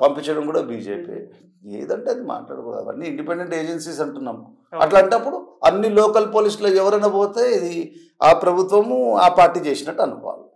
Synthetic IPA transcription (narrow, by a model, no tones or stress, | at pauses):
pɐmpiɲt͡ʃːɐɽɐmkuːɽaːbiːd͡ʒeːpḭ | ḛːd̪ɐɳʈeːɐd̪ima̰ːʈla̰ːɽɐkɔ̰ːd̪a̰ɐ̰nːiiɳɖipeɳɖe̞ɳʈeːd͡ʒensiːs̬ɐɳʈunːamu | ɐ̰ʈlaːɳʈɐpːuɽuɐnːiloːkɐlpoːlisloːɛʋɐɾɐnɐbo̞ːt̪e̞ːid̪i | aːpɾɐbʱut̪ʋɐmuaːpaːɾʈːiːt͡ʃe̞ːsinɐʈːɐnupa̰ːlu